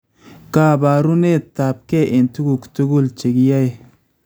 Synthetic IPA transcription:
ka˦ba˨ɾu˦ne˦t̪a˨p̚ke˦ʔe˨nt̪u˦ɡu˨kt̪u˦ɡu˦lt͡ʃe˨ɡi˦ja˦j

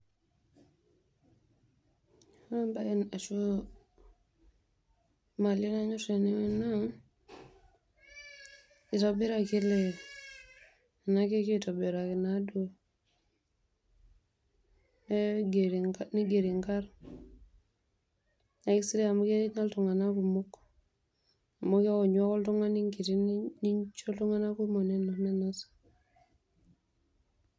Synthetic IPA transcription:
ha˦mba˦ji˦na˨ʃu˦ | ma˨li˦na˦ɲu˦ɾe˨ni˦na˦ | i˨tobi˦ɾa˨ki˦le˨ | na˦ke˦ki˦to˨be˨ɾa˨ki˨nado˨ | meɡɾŋni˦ɡe˨ɾi˨ŋkaɾ | na˨ki˦si˦ɾe˦a˨mo˦ke˦ɲa˦ltuŋa˨na˦ku˨mu˦k | mo˦ke˦o˨ɲo˦ko˦ltu˦ŋa˦niŋki˨ti˦nni˦ɲt͡ʃo˦ltu˦ŋa˦na˦ku˦i˦mo˨ne˦no˨ne˦nasḁ

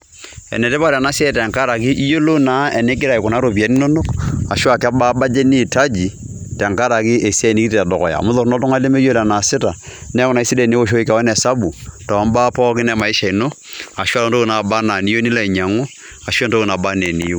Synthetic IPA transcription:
ɛ̰˨nɛ˨tɛ˦ba˦˨ɾa˨na˦se˦ɛ˦tɛ˨ŋka˦ɾa˨k̬i˦ʔi˦jo˦lo˦na˨˦ɛ˨ne˦k̬ɪ˦ɾa˨i˨kɔ˨na˨˦ɾo˨pi˨a˨˦ni˦no˦no˦ka˨ʃwa˨ka˦ba˦ba˦d͡ʒɛ˦ni˦˨ta˦d͡ʒi˨ | tɛ˨ŋka˦ɾa˨kɪ˦ʔe˨sɛ˦˨ni˦ki˦ta˨dɔ˨kɔ̰˨ja̰˨mʊ˦ðɔ˨ɾnɔ˦tɔ˦ŋa˦le˦me˦jo˦la˨na˨sɪ˦ta˨nɛ˦kɔ˨na˨i˦si˦dɛ˦˨ne˦o˦ʃ̬o˦i˦ka˨wɛ˦nɛ˨sa˦bu˨ta˨a˨˦mba˦pɔ˦kɪ˦nɛ˦ma˨i˦ʃa˨i˨no˦ | a˨ʃwa˦o˦ndo˦ku˨na˨ba˦na˨ni˦jo˦ni˦la˦i˨ɲa˨ŋo˦ | a˨ʃɛ˦ndo˦ku˨na˨ba˦nɛ˨nḭ˨jo˦

